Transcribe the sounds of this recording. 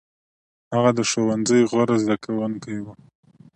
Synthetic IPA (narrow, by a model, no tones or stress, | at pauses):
haɣad̪əʃowanzəjɣwaɾazd̪akawənkaewa